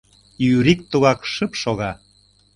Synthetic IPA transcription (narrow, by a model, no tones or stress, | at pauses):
yɾik̚t̪uɣɑkʃəpʃoɣɑ